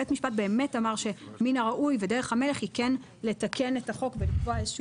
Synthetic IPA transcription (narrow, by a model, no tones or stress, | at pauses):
etmiʃpat̚be̞ːme̞tamaʁʃe̞minaʁaʔujvedeʁ̞eχhame̞leχhiken | letake̞netaχo̞kvelikvoaezʃu